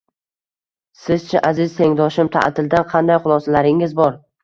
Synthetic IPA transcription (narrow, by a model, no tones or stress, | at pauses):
sɪzt͡ʃʰaʔazɪz̥t̪ʰe̞ŋd̪ɒʃɪmt̪ʰa̰ʔt̪ʰɪld̪anqʰɑnd̪ajχʊlˠɒsalaɾɪŋɪzbɒɾ